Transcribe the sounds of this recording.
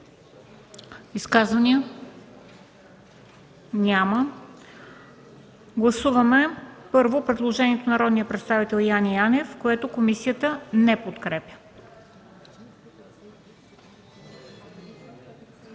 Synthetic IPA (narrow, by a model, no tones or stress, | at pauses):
iskazvɐniə | nʲamə | ɡlˠɐsuvɐmɛpɤɾvopɾɛd̪lˠoʒɛniɛt̪onɐɾɔd̪nijəpɾɛt̪st̪avit̪ɛlˠjanianɛfkoɛt̪okomisijət̪ənɛpot̪kɾɛpʲjə̥